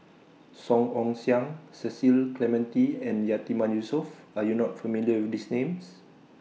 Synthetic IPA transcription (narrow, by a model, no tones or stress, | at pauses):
sɔ̃ŋɔ̃ŋsjãŋsɛsilklɛmɛ̃ntiɛ̃njat̪imãnjusɔf | ajunɔtfəmiliəwidisnẽms